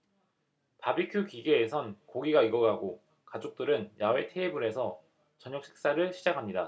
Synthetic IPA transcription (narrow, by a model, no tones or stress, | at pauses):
pabikʰjukiɡe̞ːsʰʌnkoɡiɡaiɡʌɡaɡo | kad͡ʑok̚t͈ɯɾɯnjawe̞tʰe̞ːbuɾe̞sʰʌ | t͡ɕʌɲok̚ɕ͈ʰi̥k̚s͈aɾɯɭɕʰid͡ʑakʰamɲida